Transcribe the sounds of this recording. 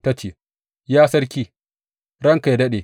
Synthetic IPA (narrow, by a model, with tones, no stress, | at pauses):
tɐ˦t͡ʃeː˨ | jaː˦sɐ˦ɽkʲiː˦ | ɾɐ˦ŋka˨jdɐ˦ɗeː˨